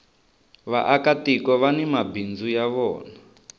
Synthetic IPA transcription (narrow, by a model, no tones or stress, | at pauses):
βa̰ʔakatikɔβanimabind͡zujaβɔ̰ːna